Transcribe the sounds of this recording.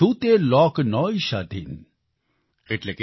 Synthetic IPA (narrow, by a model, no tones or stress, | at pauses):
ut̪elɔknɔiʃad̪ʱḭn | eʈlek